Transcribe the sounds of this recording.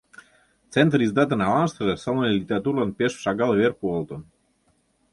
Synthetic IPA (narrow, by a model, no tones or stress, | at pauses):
t͡sent̪rizd̪ɑt̪ə̆nɑvɑnʃt̪əʒesolnəlʲit̪ʲeɾɑt̪urlɑnpeʃʃɑɡɑlβerkuolt̪on